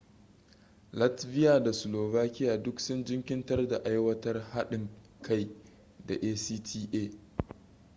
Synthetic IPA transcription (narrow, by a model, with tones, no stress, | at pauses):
lɐ˦tɸɪ˦jaː˨da˨sʊ˨loː˨baː˦kʲɪ˦jaː˨dʊ˦ksʊ˦nd͡ʒɪ˦ŋkʲɪ˦ntɐ˦rda˨ʔa˦jwɐ˦tɐ˦rha˦ɗɪ˨ŋ | kʰa˦˨j | da˨ʔeː˦siː˦tʰiː˦ʔeː˦˨